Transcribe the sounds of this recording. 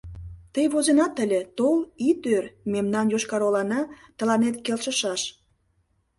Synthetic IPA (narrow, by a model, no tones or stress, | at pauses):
t̪əjβozenɑt̪əlʲet̪olit̪ørmemnɑnjoʃkɑɾolɑnɑt̪ə̆lɑnet̪kelʃə̆ʃɑʃ